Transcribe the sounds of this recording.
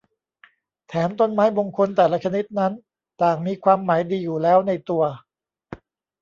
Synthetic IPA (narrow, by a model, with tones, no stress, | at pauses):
t̪ʰɛː˩˦mt̪o˧nmaː˦˥jbo˧ŋkʰo˧nt̪ɛː˨˩la˦˥t͡ɕʰa˧ni˦˥t̪̚na˦˥n | t̪aː˨˩ŋmiː˧kʰwaː˧mːaː˩˦jdiː˧juː˨˩lɛː˦˥wna˧jt̪u˧ɐ